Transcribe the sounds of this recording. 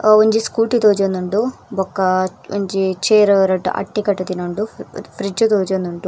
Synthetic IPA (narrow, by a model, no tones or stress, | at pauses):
oɲd͡ʒiskuːʈit̪oːd͡ʒɐnd̪uɳʈubɔkːɐoɲd͡ʒit͡ʃeːɾɐɾɐʈːṵʔɐ̰ʈːikɐʈːɐt̪inoɳɖupʰɾid͡ʒut̪oːd͡ʒɐnd̪uɳʈu